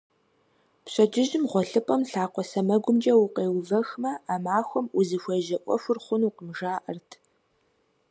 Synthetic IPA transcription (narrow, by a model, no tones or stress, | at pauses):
pɕʼɐd͡ʒɪʒɪmʁʷɔɬɨpʼɐmɬaːqʷɔsɐmɐɡʷʊmd͡ʒʼɐwʊqeːwvɐxmɐaːmaːxʷɔmuzɨxʷeʒɐʔʷʼɔ̰fʷʊrχʷʊnuqəmʒaːʔɐ̰rtʰ